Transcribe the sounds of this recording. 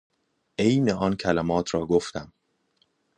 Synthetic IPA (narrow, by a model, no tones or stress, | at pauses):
ʔe̞jneɒːncʰælæmɒːt̪ʰɾɒːɡoft̪æm